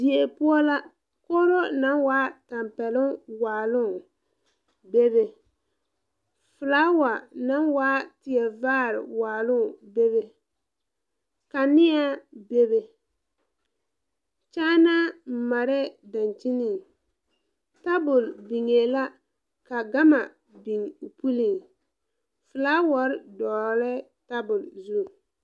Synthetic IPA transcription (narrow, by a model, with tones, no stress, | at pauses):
dɪ˨e˨pʊ˦ɔ˦la˦ | koː˦ɾo˦na˦waː˦ta˨mpɛ˨lʊ˦ŋwaː˨lʊ˦ | be˦βe˨ | fʊ˨laː˦wa˨na˦nwaː˦tɪ˨ɛ˨vaː˦˨ɾɪ̰˨waː˨lʊ˦˨be˦be˦ | ka˨nɪ˦a˦be˦be˨ | t͡ʃaː˦na˦m̩˨ma˨ɾɛ˦da˨nt͡ʃi˦ni˨ŋ | ta˦bʊ˨lbi˨ŋe˨la˦ | ka˨ɡa˦ma˨ | bi˨ŋ˨pu˦li˨ŋ | fʊ˨laː˦wa˨˦ɾɪ˦dɔː˨lɛ˦ | ta˦bʊ˨lzu˦˨